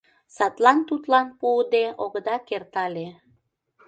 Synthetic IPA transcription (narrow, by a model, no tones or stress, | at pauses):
sɑt̪lɑnt̪ut̪lɑnpud̪eʔoɣd̪ɑkert̪ɑle